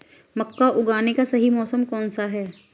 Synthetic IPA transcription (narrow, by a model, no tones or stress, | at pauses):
mɐkːaʔʊɡaːnekasɐɦimɔːsəmkɔːnsaɦɛː